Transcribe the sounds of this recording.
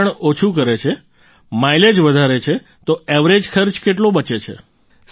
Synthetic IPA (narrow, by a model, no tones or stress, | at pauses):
əɳot͡ʃʰukəɾet͡ʃʰe | mailed͡ʒʋəd̪ʱaɾet͡ʃʰe | t̪oɛʋɾed͡ʒkʰəɾt͡ʃkeʈlõbət͡ʃet͡ʃʰḛ | s